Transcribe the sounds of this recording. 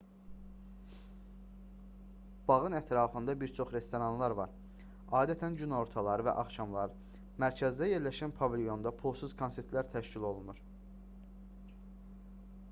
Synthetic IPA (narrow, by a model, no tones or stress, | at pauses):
b̥ɑɣɯnæt̪ʰɾɑːfɯnd̪ɑbiɾt͡ʃʰo̞χɾe̞st̪o̞ɾɑnlˠɑɾvɑ̰ɾ | ɑːd̪æt̪ʰænɟynoo̞ɾt̪ʰɑlˠɑɾɯvæ̰ʔɑχʃɑmlˠɑɾɯ | mæɾcʰæzd̪æje̞ɾlæʃænpʰɑvilʲjo̞nd̪ɑpʰulˠsɯz̥kʰo̞nse̞ɾt̪ʰlæɾt̪ʰæʃcilo̞lˠunuɾ